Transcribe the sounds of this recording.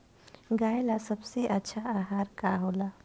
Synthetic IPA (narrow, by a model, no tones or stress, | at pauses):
ɡaːjlasɐbseʔɐtːʃʰaaːɦaːɾkaːɦoːlaː